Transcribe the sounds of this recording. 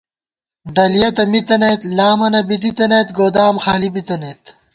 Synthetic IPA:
ɖɐlijɐt̪ɐmit̪ɐnet̪laːmɐnɐbid̪̬it̪ɐnet̪ɡoːd̪aːmxaːlibit̪ɐneːt̪

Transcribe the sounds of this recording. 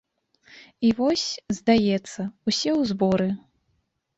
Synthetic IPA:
ivɔsʲzd̪ajɛt̪sːɐusʲɛwzbɔɾɨ

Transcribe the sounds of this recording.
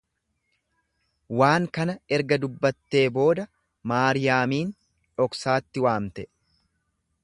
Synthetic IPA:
waːŋkɐnɐɛɾɡɐd̪ʊbːɐt̪ːe̞ːbo̞ːd̪ɐ | maːɾɪjaːmiːn | ᶑɔksaːt̪ːɪwaːmt̪ɛ

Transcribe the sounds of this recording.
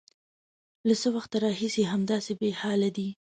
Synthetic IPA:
lasəwaxt̪aɾɑhisiɦamd̪ɑsebehɑlad̪i

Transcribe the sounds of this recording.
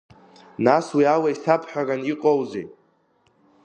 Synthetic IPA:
naswiawaisapʰħʷᶣaɡaniqʼowzḛj

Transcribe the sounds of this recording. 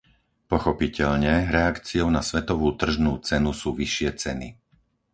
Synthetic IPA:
pɔxɔpicɛʎɲɛɾɛakt͡siɔʊnasʋɛt̪ɔʋuːt̪r̩ʒnuːt͡sɛnusuːʋiʃɪɛt͡sɛnḭ

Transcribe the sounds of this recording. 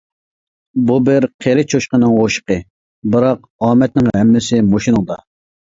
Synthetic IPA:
bubɪɾqʰeɾɪt͡ʃʰoʃqənɨŋoʃə̥qə | bɨɾɑq̚ | ɑːmɛt̪̚nɪŋhɛmːɪsɪmoʃinɨŋd̪ɑ

